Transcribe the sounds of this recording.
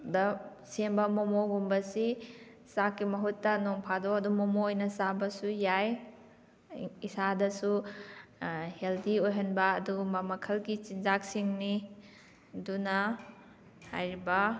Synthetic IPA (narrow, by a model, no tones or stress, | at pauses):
dɐ | sembɐmɔmoɡumbɐsi | sakːimɐɦutːɐnoŋpʰadoɐdumɔmoojnɐsabɐsujaj | isadɐsu | heldiojɦɐnbɐːdumɐmɐkʰɐlɡit͡ʃinzak̚siŋni | dunɐ | ha̰jɾibɐ